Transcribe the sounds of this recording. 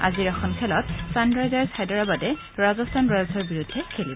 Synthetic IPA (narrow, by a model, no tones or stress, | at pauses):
a̰ziɹaxɔnkʰɛlɔtsanɹajzaɹsajdɔɹabadɛ | ɹazɔstʰanɹajzʱɔɹbiɹudʱːɛkʰelib